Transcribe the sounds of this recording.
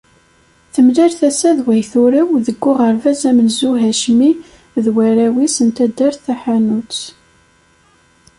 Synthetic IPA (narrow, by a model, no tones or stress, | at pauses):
θəmlæɾθæsæðwæjθʊɾæwðəɡːʊʁəɾvæzæmənzuɦæʃmi | ðwæɾæwisənt̪æd̪ːæɾθæħanut͡s